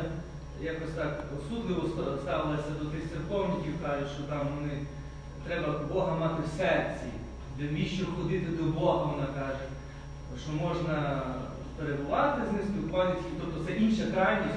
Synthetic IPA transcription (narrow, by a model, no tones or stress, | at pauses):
jɑkɔsʲt̪ɑkɔsud̪lˠɪʋɔsst̪ɑʋɪlˠɐsʲɐd̪ɔt̪ɪxsɪrkɔwnʲikʲiwkɑʒɪʃt͡ʃɔt̪ɑmʋɔnɪ | t̪ɾɛbɐbɔɦɐmɑt̪ɪwsɛrt͡sʲḭ | d̪ɛʋʲiʃt͡ʃɔxɔd̪ɪt̪ɪd̪ɔbɔɦɐʋɔnakɑʒɪtʲ | ʃt͡ʃɔmɔʒnɐ | peɾebʊʋɑt̪ɪznɪsʲpʲilˠkʋanʲɪsʲkʲiwt̪ɔp̚t̪ɔt̪sɛʔinʃɐkɾɑjnʲisʲ